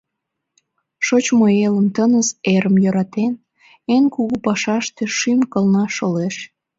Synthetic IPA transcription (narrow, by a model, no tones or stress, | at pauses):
ʃot͡ɕmoeləmt̪ənəzeɾəmjøɾɑt̪en | enkuɣupɑʃɑʃt̪eʃymkəlnɑʃoleʃ